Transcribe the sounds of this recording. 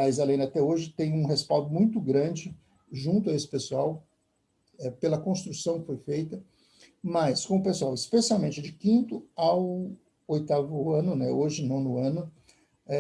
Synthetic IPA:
aizalẽj̃d̪at̪ɛoʒɪt̪ẽj̃ũɦespawˠd̪ʊmũj̃t̪ʊɡɾɐ̃d͡ʒɪ | ʒũnt̪ʊɐesɪ̥pesuaw | ɛpelɐkõst̪ɾusɐ̃w̃kɪfojfejt̪ɐ | maskõʊpesuawɪspesiawmẽnt͡ʃɪd͡ʒɪkĩnt̪ʊaw | ojt̪avʊɐ̃nʊnɛoʒɪnɐ̃w̃nʊɐ̃nʊ | ɛ

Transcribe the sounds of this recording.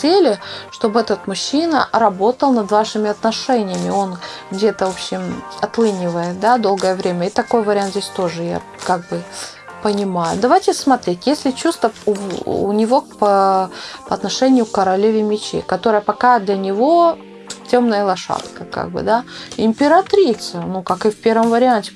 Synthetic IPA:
selʲɪʂt̪o̞bɛt̪ət̪mʊɕːinə̰ɾɐbo̞t̪əlˠnɐd̪vaʂɨmʲɪɐt̪nɐʂɛnʲɪjəmʲɪo̞nɡdʲe̞t̪əvopɕːɪmɐt̪lˠɨnʲɪvəjɪd̪ad̪o̞lˠɡəjəvɾʲemʲəɪt̪ɐko̞jvəɾʲɪant̪zʲesʲt̪o̞ʐɨja̰ | kaɡ̚bɨ | pənʲɪmajʊ̰d̪ɐvajtʲɪsmɐt̪ɾʲetʲjesʲlʲɪt͡ɕust̪ə | ṵnʲɪvo̞kpəpɐɐt̪nɐʂɛnʲɪjʊkːəɾɐlʲevʲɪmʲɪt͡ɕḛkɐt̪o̞ɾəjəpɐkad̪lʲɐnʲɪvo̞ | tʲomnəjəlˠɐʂa̰t̪kəka̰ɡ̚bɨ̰d̪aɪmʲpʲɪɾɐt̪ɾʲit̪sɨnukakɨfpʲeɾvəmvəɾʲɪanʲtʲɪ

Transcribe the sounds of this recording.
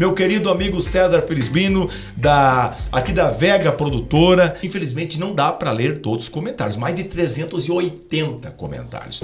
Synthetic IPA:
mewkeɾid̪ʊamiɡʊsɛzaɾfelizbĩnʊ | d̪ɐakid̪ɐvɛɡɐpɾod̪ut̪oɾɐĩfelizmẽnt͡ʃɪnɐ̃w̃d̪apɾɐleɾt̪od̪ʊskomẽnt̪a̰ɾjʊsmajzd͡ʒɪt̪ɾezẽnt̪ʊzɪojt̪ẽnt̪ɐko̰mḛ̃nt̪a̰ɾjʊs

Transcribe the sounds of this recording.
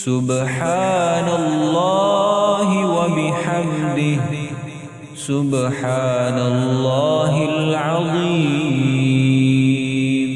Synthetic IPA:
sʊbħaːnalːɑːhɪwabɪħambɪh | sʊbħaːnallːaːɦɪlʕɑðˤiːm

